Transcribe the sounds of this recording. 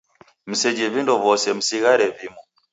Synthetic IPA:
m̩sɛd͡ʒiβindɔβɔsɛm̩siɣaɾɛβimɔ

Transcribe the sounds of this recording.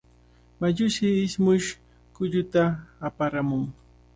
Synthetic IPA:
maʎʊʃɪːsmʊʃ | kʊʎʊt̪aːpaɾamʊŋ

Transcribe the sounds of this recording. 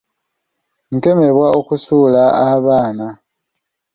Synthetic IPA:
ŋke̞me̞βwaokusuːlaaβaːna

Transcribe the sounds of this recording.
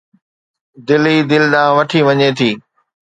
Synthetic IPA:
d̪ɪliːd̪ɪlɗãːʋɐʈʰiʋɐɲet̪ʰiː

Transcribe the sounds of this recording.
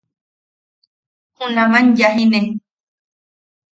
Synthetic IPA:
hunãmãnjaɦine

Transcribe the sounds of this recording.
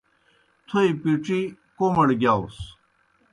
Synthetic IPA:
t̪ʰoipiʈ͡ʂi | komɐɽɡʲjaːus

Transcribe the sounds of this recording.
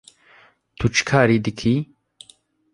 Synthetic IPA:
t̪ʰut͡ʃkʰaːɾiːd̪ɨkʰi

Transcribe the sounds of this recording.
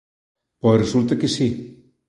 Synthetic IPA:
pɔresult̪akesi

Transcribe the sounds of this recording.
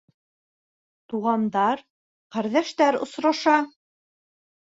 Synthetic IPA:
t̪uʁɑnd̪ɑɾ | qæɾðæʃt̪æɾŏ̰sɾɑʃɑ

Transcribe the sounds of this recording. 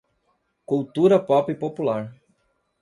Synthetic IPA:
kuwt̪uɾɐpɔpɪpopulaɾ

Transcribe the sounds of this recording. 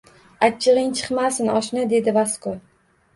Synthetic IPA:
at͡ʃʰːɨʁɨŋt͡ʃʰɨ̥qmasɪnɒʃnɪd̪e̞d̪ɪvasko

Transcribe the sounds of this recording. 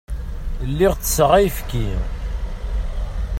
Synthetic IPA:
lːiʁt͡sːə̥səʁæjfki

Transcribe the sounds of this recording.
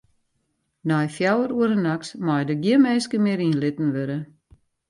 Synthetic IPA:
nɑːjfjœwəɾuəɾənɐksmɑːjdəɡiəmɛːskəmiəɾinlɪtn̩ʋəɾə

